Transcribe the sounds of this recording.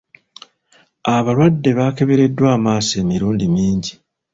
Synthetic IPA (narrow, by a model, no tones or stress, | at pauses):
aβalwadːe̞βaːke̞βe̞ɾe̞dːwaːmaːse̞ːmiɾuːndimiːɲɟi